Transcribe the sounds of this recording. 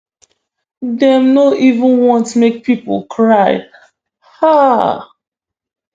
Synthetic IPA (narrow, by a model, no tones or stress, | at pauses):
dɛ̃mnoʔivə̃nwɔ̃ntmek̚pʰipɔ̰lkʰɹaɪ | ha